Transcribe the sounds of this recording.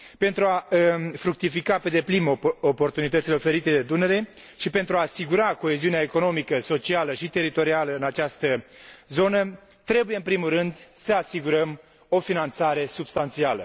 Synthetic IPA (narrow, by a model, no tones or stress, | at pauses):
pe̞nt̪ɾuafɾuk̚t̪ifikape̞d̪e̞plinopo̞rt̪unit̪ət̪sileofe̞ɾit̪e̞d̪e̞d̪uneɾe̞ | ʃipe̞nt̪ɾuaːsiɡuɾako̞e̞ziuneaeko̞no̞mikəso̞t͡ʃialəʃit̪e̞ɾit̪o̞ɾialəɨnat͡ʃast̪əzo̞nə | t̪ɾe̞bujeɨnpɾimulrɨnd̪səasiɡuɾəm | o̞finant̪saɾe̞subst̪ant̪sialə̰